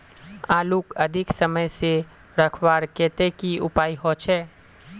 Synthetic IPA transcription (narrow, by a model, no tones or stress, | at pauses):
aːlukɐd̪ʱɪksəməjse | ɾɐkʰwaːɾkeːt̪ekiʊpaːiɦoːt͡ʃʰɛː